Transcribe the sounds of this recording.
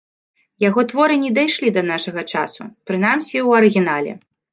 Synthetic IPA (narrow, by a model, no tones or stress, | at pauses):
jaɣɔt̪vɔɾɨnʲɛd̪ajʂlʲid̪ɐnaʂɐɣɐt͡ʂa̰sṵpɾɨnamsʲiwɐɾɨɣʲinalʲɛ̰